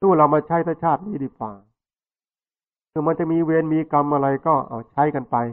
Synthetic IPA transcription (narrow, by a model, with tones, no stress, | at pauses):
t̪ʰuː˥˩la˧˩wmaː˧t͡ɕʰa˦˥jt̪ʰaː˦˥˩t͡ɕʰaː˥˩t̪̚niː˦˥diː˧˩kwaː˨˩ | kʰɯː˧˩ma˧nt͡ɕa˨˩miː˧weː˧nmiː˧ka˧mʔa˧ɾa˧jkɔː˥˩ʔa̰ː˧˩t͡ɕʰa˦˥jka˧npa˧j